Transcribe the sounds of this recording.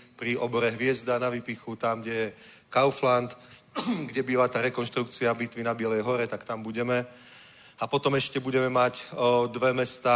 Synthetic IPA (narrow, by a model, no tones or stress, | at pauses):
pɾiʔɔbɔɾɛɦʋɪɛzd̪anaʋipixut̪amɡɟɛjɛkaʊflant̪ | ɡɟɛbiːʋat̪aːɾɛkɔnʃt̪ɾuk̚t͡siabit̪ʋinabɪɛlɛjɦɔɾɛt̪akt̪ambuɟɛmɛ | apɔt̪ɔmɛʃcɛbuɟɛmɛmacd̪ʋɛmɛst̪aː